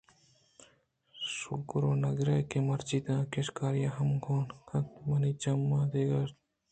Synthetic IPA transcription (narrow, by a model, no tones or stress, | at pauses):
sukɾoːnɐɡɾɐjkemɐɾt͡ʃid̪ãːkeʃkaːɾjaɦɐmɡʰʱoːnkʰɐt̪mɐnit͡ʃɐmːaːd̪eːɡɐ